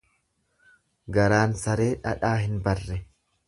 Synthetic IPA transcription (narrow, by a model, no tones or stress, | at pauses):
ɡɐɾaːnsɐɾe̞ːᶑɐ̰ᶑaːhɪnbɐrːɛ